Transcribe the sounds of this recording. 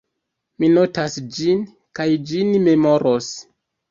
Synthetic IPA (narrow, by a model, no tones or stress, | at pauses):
mino̞tasd͡ʒin | kajd͡ʒinme̞mo̞ɾos